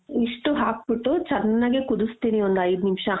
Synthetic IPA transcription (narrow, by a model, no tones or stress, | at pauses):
iʂʈuɦaːk̚biʈːut͡ʃɐɾnːaɡekud̪ust̪iːniond̪ɐjd̪nimʂɐ